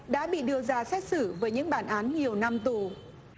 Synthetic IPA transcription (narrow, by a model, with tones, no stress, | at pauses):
ɗa̰ː˧˥ɓḭ˧˨ɗɨ˧əzaː˧sɛ˦˥t̚sɨ˧˩vəː˨˦jɲɨ̰˧˥ŋɓaː˧˩nʔaː˨˦nɲi˨˩əwna˧mt̪u˨˩